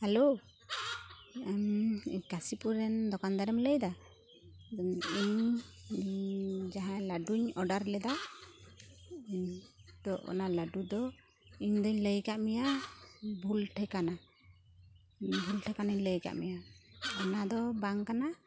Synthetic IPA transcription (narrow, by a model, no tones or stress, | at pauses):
hɛlo | amiɲkasipuɾɛnd̪ɔkand̪aɾɛmləjd̪a | iɲ | d͡ʒaɦãlaɖuɲɔɖaɾlɛd̪a | d̪ɔʔɔ̰nalaɖud̪ɔ | iɲd̪ɔɲləjkaʔmɛja | bʱulʈʰɛkana | bʱulʈʰɛkanaɲləjka̰ʔmɛjaɔnad̪ɔbaŋkana